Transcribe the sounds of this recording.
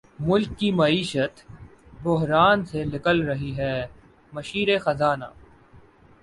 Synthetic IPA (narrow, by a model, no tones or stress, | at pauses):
mʊlkːimɐiːʃət̪ | bʊɦɾaːnsenɪkəlɾɐɦiɦɛː | mɐʃiːɾexɐzaːna̰ː